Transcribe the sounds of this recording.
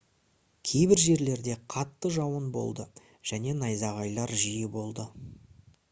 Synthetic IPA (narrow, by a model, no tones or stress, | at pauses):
kʲʰe̞jbɪɾʒe̞ɾle̞ɾd̪e̞qʰɑt̪ːəʒɑwənbo̞̰lˠd̪ə | ʒ̥æne̞nɑjzɑʁɑjlˠɑɾʒijɪbo̞lˠd̪ə